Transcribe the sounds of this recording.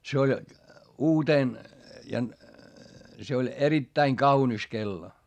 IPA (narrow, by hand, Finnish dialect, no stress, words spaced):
se olʲ uːteˑn jɑ se olʲ eritːæiŋ kɑunis kelːo